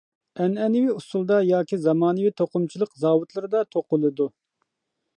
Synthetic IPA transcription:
ɛnɛnɪwiusulˠd̪ɑjɑːkʲizɑmɑːnɨwit̪ʰoqʊmt͡ʃʰilˠəqzɑːwut̪lˠɨɾɨd̪ɑt̪ʰoqʊlˠɨd̪u

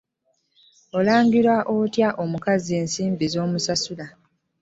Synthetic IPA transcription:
o̞laːŋɡiɾwaʔotjaʔo̞mukazie̞ːnsiːmbizo̞ːmusasula

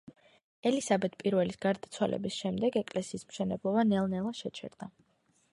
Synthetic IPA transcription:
ɛlisabɛt̪̚ʰpʼiɾvɛlisɡ̥aɾd̪at̪sʰwalɛ̰bisʃɛmd̪ɛɡɛkʼlɛsiːsmʃɛnɛblˠɔbanɛlˠnɛlˠaʃɛt͡ʃʰɛ̰ɾd̪̥a

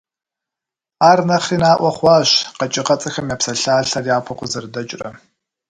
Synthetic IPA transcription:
aːrnɐχiːnaːʔʷɔχʷɑːɕqɐt͡ʃʼɪqɐt͡sʼɐxɐmjaːpsɐɬaːɬɐrjaːpʰɐqʷʊzɐrdɐt͡ʃʼrɐ̰

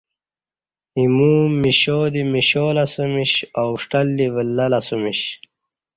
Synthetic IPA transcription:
imuːmiɕoːd̪imiɕoːlɐsumiɕawʂʈɐlːivəlːɐlɐsumiɕ

